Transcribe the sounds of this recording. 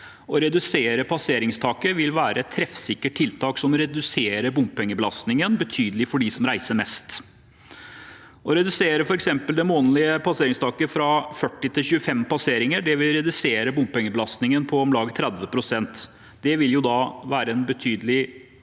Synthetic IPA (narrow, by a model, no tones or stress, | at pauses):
ɔɾɛd̪ʉseːɾəpʰɑseːɾɪŋst̪ʰɑːkəʋɪlʋæːɾəɛt̪ʰːɾɛfsɪkːəʈ̚ʈʰːɪlt̪ʰɑːksɔmɾɛd̪ʉseːɾəbʊmpɛŋːəbəlɑst̪nɪŋənbət̪ʰyːd̪əlɪfɔɖisɔmɾæɪsəɾmɛst̪ | ʔɔɾɛd̪ʉseːɾəfɔɾɛksɛmpəld̪ɛmoːnəlɪəpʰɑseːɾɪŋst̪ʰɑːkəfɾɑfœʈːɪt̪ʰɪlçʉəfɛmpɑseːɾɪŋəɖɛʋɪlɾɛd̪ʉseːɾəbʊmppɛŋːəbəlɑst̪nɪŋənpʰɔːmlɑːɡt̪ʰɾɛd̪ʋəpʰɾʊsɛnt̪ | d̪̥ɛʋɪljʊd̪ɑʋæːɾəɛnbət̪ʰyːd̪əlɪ